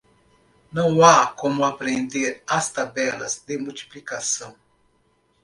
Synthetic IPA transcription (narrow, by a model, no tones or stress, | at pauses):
nɐ̃w̃akomuapɾẽnd̪eɾast̪abɛlɐ̰zd̪emult̪i̥plikasɐ̃w̃